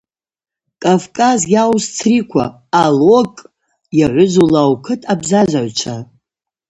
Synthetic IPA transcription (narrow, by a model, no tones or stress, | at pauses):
kʼavkʼazjawst͡sʰrikʷʰa̰ː | lokʼ | jaʕʷʊzulawkʰɨtʼabzazʷaʕɥʷt͡ʃʷʰa